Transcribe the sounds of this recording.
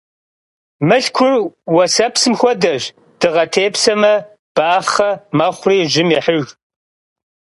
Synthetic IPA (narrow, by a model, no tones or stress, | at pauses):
mɨɬkʷʰʊrwɐsɐpsɨmxʷɔdɐʒ | d̥ɨʁɐtʰeːpsɐmɐ | b̥aːχɐmɐχʷʊriːʒɪmiħəɣ